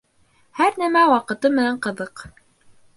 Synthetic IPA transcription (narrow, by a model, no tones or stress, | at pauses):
hæɾnæmæwɑqɤ̆t̪ɤmɘ̆næɴqɤ̆ðɤq